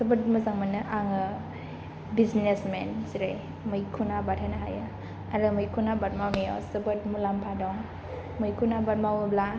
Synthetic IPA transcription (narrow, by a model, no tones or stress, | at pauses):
sɐbət̚mɐzaŋmanɯʔaŋɯ | biznesmensiɾaj | mɯjkʰunabatʰanaɦa̰jɯ | aɾɯmɯjkʰunabat̚mawnijɔ̰sɯbɯt̚mulampʰadɔŋ | mujkʰunabat̚mawbla